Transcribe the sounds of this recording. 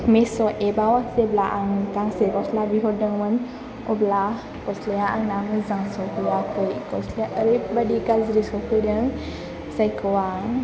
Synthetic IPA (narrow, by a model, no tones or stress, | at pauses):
mesɔʔebawak̚seblaʔaŋkaŋsekɔslabiɦɔdɯŋmɯn | ɔbla | kɔslejaʔaŋnamɯzaŋsɔkuwakʰɯjkɔsleaʔəɾɯbadiɡazɾisɔkʰɯjdɯŋ | sajkʰɯwaŋ